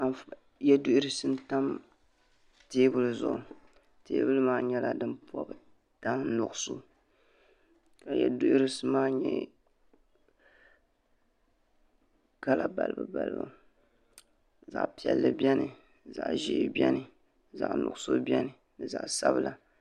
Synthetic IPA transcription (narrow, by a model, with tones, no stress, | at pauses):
a˨nf | jɛ˦dʊ˦ɪ˦ɾɨ˦sɨ˦nta˦m | teː˦bɨ˦lɨ˦zʊ˨ʔʊ˨ | teː˦bɨ˦lɨ˦maː˦ɲɛ˦la˨dɨ˦npɔ˦b | ta˦nʊ˨ɡʊ˦˨so˦ | ka˨jɛ˨dʊ˦ʔɪ˦ɾɨ˦sɨ˦maː˦ɲɛ˦ | ka˦la˨ba˨lɨ˨bɨ˨ba˨lɨ̰˨ba̰˨ | za̰˨ʔpi˨ɛ˨lːɨ˦bɛ˦nɨ˨ | za˨ʔʒḭ˦bʲɛ˦nɨ˨ | za˨ʔnʊ̰˨ɡʊ˦so˦bjɛ˦nɨ˨ | nɨ˨za̰˨ʔsa˦bɨ˦lʔa˨